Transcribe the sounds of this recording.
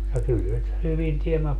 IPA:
jɑ kyl se hyʋin tiemːæ

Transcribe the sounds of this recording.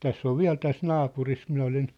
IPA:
tæsː oʋ ʋiæ̝l tæs nɑːpuris minæ olin

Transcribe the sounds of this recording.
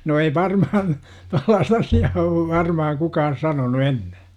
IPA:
no ei ʋɑrmɑhɑn tolːɑːst ɑsiɑː oʋ ʋɑrmɑhɑŋ kukɑːn̞ sɑnonu enːe

